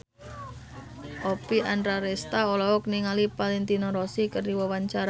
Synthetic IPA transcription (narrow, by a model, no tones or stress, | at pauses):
ʔopiʔandɾaɾɛst̪aolɔɔkniŋalipalɛnt̪inɔɾɔsikərdiwɔwaɲt͡ʃaɾa